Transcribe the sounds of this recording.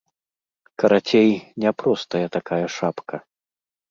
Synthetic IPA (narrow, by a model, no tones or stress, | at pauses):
kɐɾat͡sʲejnʲɛpɾɔst̪ɐjɐt̪akajɐʂapkʰɐ